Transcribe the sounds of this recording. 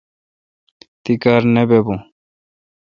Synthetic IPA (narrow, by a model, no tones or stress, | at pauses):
t̪ikaɾnebebũ